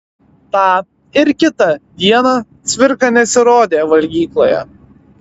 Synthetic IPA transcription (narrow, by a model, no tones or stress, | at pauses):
t̪ɑː | ɪɾkʲɪt̪ɐd̪ʲiɛnɑːt̪sʲʋʲɪɾkɑnʲɛsʲɪɾoːd̪ʲeːʋɐlʲɡʲiːklˠoːjɛ̰